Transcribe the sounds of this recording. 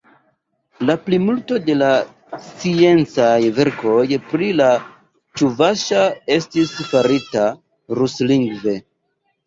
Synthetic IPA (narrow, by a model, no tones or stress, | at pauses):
laplimulto̞de̞la | st͡sie̞nt͡sajve̞ɾko̞jpɾila | t͡ʃuvaʃae̞stisfaɾita | ɾusliŋɡve̞